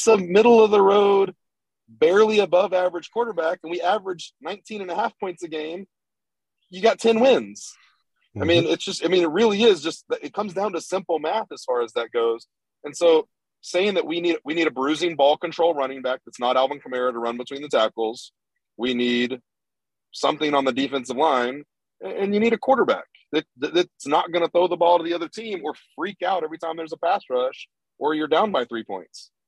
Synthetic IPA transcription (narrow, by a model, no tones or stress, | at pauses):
səmɪɾl̩ˠʌvðəɹoʊd̚ | bɛɹlˠiɨbʌvævə˞ɨd̥ʒ̥kʰw̥ɔɹɾə˞bækɨ̃nwiævə˞ɨd͡ʒnãɪ̃ntʰĩñɨ̃nɨɦæfpʰɔ̃ɪ̃ntsɨɡẽɪ̃m | jɨɡɑtʰɛ̃nwɪ̃nz̥ | aɪmĩnɨtsd̥ʒ̥ʌstaɪmĩnɨt̚ɹɪlˠiɪzd͡ʒʌst̚ðɨʔɨt̚kʰʌ̃mzdãʊ̃ntɨsɪ̃mpl̩ˠmæθɨz̥fɑɹɨzðɨt̚ɡ̥oʊz̥ | ɨ̃nsoʊ | seɪɪ̃ŋðɨʔ̚winiɾɨwiniɾɨbɹʉzɪ̃ŋbɔlˠkɨ̃ntʰɹ̥oʊlˠɹʌñɪ̃ŋbæk̚ɨtsnəɾælˠvə̃n̩kʰəmɛɹɨɾəɹʌ̃nbɨtʰw̥ĩnðɨtʰækl̩ˠz̥ | winid | sʌ̃mθɪ̃ŋə̃nðɨdifɛ̃ns̬ʌvlãɪ̃n | ɨɨ̃njɨniɾɨkʰw̥ɔɹɾə˞bæ̰k̚ | ɨt̚ɨɪtsnət̚ɡ̥ʌñəθoʊðəbɔlˠɾəðiʌðə˞tʰĩmə˞fɹikaʊɾɛvɹitʰãɪ̃mðə˞zəpæstɹʌʃ | ʔə˞jə˞dãʊ̃nbaɪθɹipʰɔ̰̃ɪ̃nts